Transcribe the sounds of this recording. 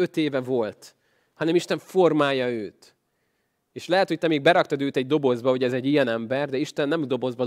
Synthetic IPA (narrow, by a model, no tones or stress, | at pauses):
øt̪eːvɛvo̞lt̪ | hɒnɛmiʃt̪ɛɱfo̞rmaːjɒøːt̪ | eːʃlɛɦɛt̪ho̞c̚t̪ɛmeːɡ̚bɛɾɒkt̪ɒd̪øːt̪ɛɟ̚d̪o̞bo̞zbɒɦo̞ɟɛzɛɟːijɛnɛmbɛrd̪ɛiʃt̪ɛnːɛmd̪o̞bo̞zbɒ